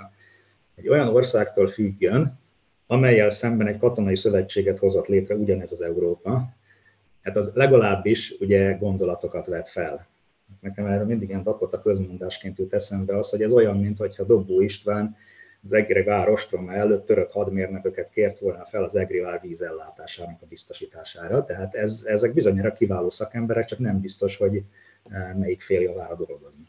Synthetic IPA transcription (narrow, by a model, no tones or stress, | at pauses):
ɛɟːo̞jɒno̞rsaːkt̪oːlfyɡːøn | ɒmɛjːɛlsɛmbɛnɛckɒt̪o̞nɒisø̞vɛt͡ʃːeːɡɛt̪ho̞zo̞t̪leːt̪rɛuɟɒnɛzɒzɛuɾoːpɒ | aːt̪ɒzlɛɡɒlaːbːiʃuɟɛɡo̞nd̪o̞lɒt̪o̞kɒt̪ʋɛt̪fɛl | at̪nɛkɛmaːrmind̪iɡɛnd̪ɒkot̪ːɒkøzmond̪aːʃkeːnt̪ut̪ɛsɛmbɛɒsho̞ɟɛzo̞jɒmːint̪ho̞chɒd̪o̞bːoːiʃt̪ʋaːn | zɛɡiɾɛɡaːɾo̞ʃt̪ronaɛløːt̪ːøɾøkhɒd̪meːrnøkøkɛt̪keːrt̪ʋolnɒfɛlɒzɛɡriaːrviːzɛlːaːt̪aːʃaːnɒkɒbist̪o̞ʃiːt̪aːʃaːɾɒt̪ɛɦaːt̪ɛzɛzɛɡ̚bizo̞ɲaːɾɒkivaːloːsɒkɛmbɛɾɛk̚t͡ʃɒknɛmbist̪o̞ʃho̞ɟ | mɛjikfeːljovaːɾɒd̪o̞lɡo̞zni